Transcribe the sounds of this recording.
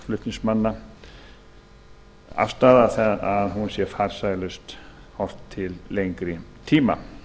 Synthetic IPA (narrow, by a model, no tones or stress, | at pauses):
flʏht̪niŋsmanːa | a̰fst̪aðaθɛaðɦunsjɛɾfaɾ̥sajlʏst̪ | hɔr̥t̪ʰːɪlːejŋkɾɪt̪ʰiːma̰